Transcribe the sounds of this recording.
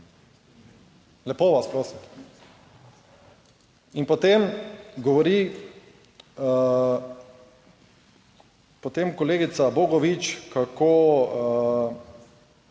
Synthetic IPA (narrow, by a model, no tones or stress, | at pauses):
lɛpoʋaspɾoːsim | inpɔt̪emɡɔʋɔɾi | pɔt̪emkɔleːɡit̪saboɡɔʋit͡ʃkako